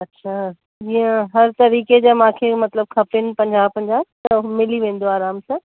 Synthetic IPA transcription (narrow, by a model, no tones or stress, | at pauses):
ɐtːɕʰaː | iẽɦɐɾt̪ɐɾiːked͡ʑaːmãːkʰemɐt̪ləb̚kʰɐpɪnɪ̆pɐ̃ɲd͡ʑaːbpɐ̃ɲd͡ʑaːbt̪ɐmɪliʋẽːn̆d̪oaːɾaːmsãː